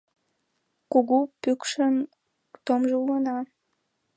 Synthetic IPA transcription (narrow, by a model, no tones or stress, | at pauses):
kuɣupykʃən | t̪omʒəulənɑ